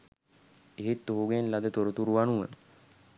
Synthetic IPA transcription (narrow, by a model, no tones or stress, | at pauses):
eɦet̪ːoɦuɡenlad̪ət̪oɾut̪uɾuʋanuʋə